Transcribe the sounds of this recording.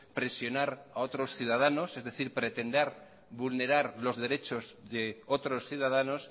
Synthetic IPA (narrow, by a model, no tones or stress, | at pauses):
pɾe̞sjo̞naɾaot̪ɾo̞sθjuðað̞ano̞sezðe̞θiɾpɾe̞t̪e̞nd̪eɾ | βulne̞ɾaɾlo̞zðe̞ɾe̞t͡ʃo̞zðeot̪ɾo̞sθjuðað̞ano̞s